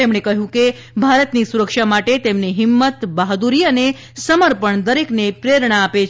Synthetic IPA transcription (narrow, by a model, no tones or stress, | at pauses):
emɳ̃ekəɦjũke | bʱaɾət̪nisuɾəkʃamaʈet̪emniɦɪmːət̪baɦd̪uɾiəne | səməɾpəɳd̪əɾeknepɾeɾɳaːpet͡ʃ